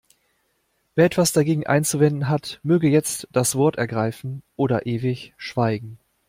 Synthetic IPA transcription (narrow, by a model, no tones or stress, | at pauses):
veːɐɛtv̥asd̥aɡeːɡŋ̩ʔa̰ɪnt͡suvɛndn̩ɦatmøːɡəjɛt͡std̥asv̥ɔɐtɛɐɡʁaɪfn̩ʔoːɾɐʔeːvɪçʃv̥aɪɡŋ̩